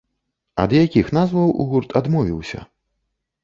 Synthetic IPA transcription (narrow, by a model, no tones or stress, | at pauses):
ɐ̰d̪jakʲixnazvɐwʔṵɣurt̪ʰad̪mɔvʲiwsʲɐ̰